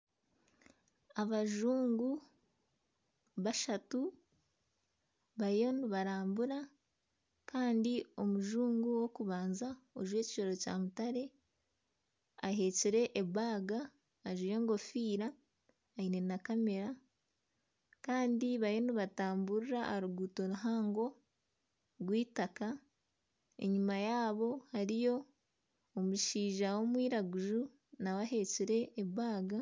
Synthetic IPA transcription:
aβaʒuːŋɡu | βaʃatu | βajo̞niβaɾaːmbuɾa | kaːndio̞muʒuːŋɡuwo̞kuβaːnzaoʒwe̞ːci̥ʃo̞ɾo̞ca̰ːmutaɾe̞ | aɦe̞ːciɾe̞ʔːβaːɡaː | ʒuje̞ːŋɡo̞fiːɾaː | ine̞nakame̞ɾa | kaːndiβaeniβataːmbuɾiɾaaɾuɡuto̞ɾuɦaːŋɡo̞ | ɡwiːtaka | e̞̰ɲumajaːβo̞haɾijo̞ː | muʃiːʒawo̞mwiːɾaɡuʒu | nawahe̞ciɾe̞ːβaːɡa

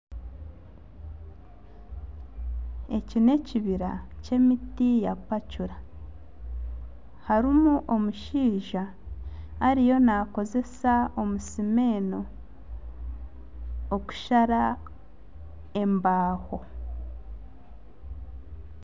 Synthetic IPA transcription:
e̞cine̞ciβiɾace̞mitijapacuɾa | haɾimuʔo̞muʃiːʒaː | ɾijo̞naːko̞ze̞sao̞musime̞ːno̞ | oku̥ʃaɾa | e̞mbaːho̞

